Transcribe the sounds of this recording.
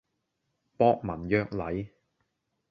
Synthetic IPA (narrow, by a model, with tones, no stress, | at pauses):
pɔː˧˥k̚mɐ˨˩njœː˧k̚lɐ˨˥j